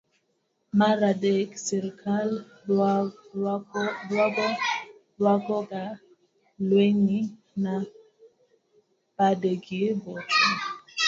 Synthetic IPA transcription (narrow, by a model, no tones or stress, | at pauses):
maɾadeksɛɾkʰal | dwaɡɔ | lwaɡɔɡa | lweŋi | na | b̥adeɡiebɔti